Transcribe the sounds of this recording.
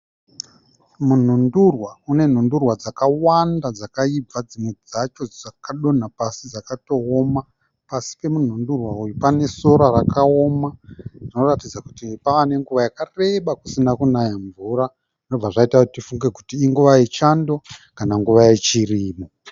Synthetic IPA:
mun̤undurwaune̞n̤undurwad͡zakawandad͡zakaib͡vad͡zimwe̞d͡zat͡ʃo̞d͡zakaɗo̞napasid͡zakato̞ːma | pasi̥pe̞mun̤undurwaujupane̞so̞ɾarakaomarino̞ratid͡zaku̥tipaːne̞ŋɡuʋajakare̞ɓakusinakunajaɱvuɾa | ʐino̞b͡vaʐaitautifuŋɡe̞kutiːŋɡuʋait͡ʃando̞kanaŋɡuʋaje̞t͡ʃiriːmo

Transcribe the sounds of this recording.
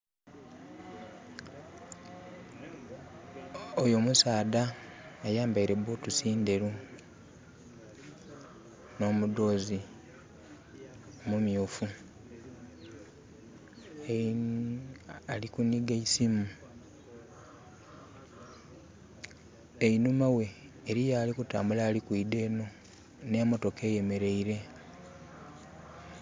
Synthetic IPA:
ojomusaːdaːjaːmbaiɾe̞βotusiːnde̞ɾu | no̞ːmud̪oːzi | omumjoːfu | alikuniɡaisimu | einumawe̞ː | ɾijaːlikuta̰ːmbulaːlikwiːde̞ːno̞ | ne̞ːmoto̞ke̞ːje̞me̞ɾe̞iɾe̞

